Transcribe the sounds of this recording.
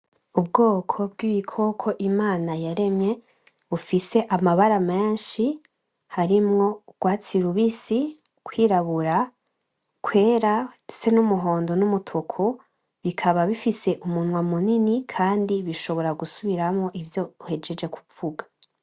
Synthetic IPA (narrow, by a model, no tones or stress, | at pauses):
ub̚ɡoːkʰo̞bɡiβikʰo̞kʰo̞ʔimaːnajaɾe̞mɲe̞ | βufise̞ʔamaβaɾame̞ːnʃi | haɾimŋo̞ɡ̥waːt͡siɾuβisi | kwiːɾaβuɾa | kʰwe̞ːɾase̞numuɦo̞ːndo̞numutʰokʰo | βikʰaβaβifise̞ʔumunwamuninikʰaːndiβiʃo̞βo̞ɾaɡusuβiɾamŋo̞ʔivjo̞uhe̞d͡ʒe̞d͡ʒe̞ku̥uɡa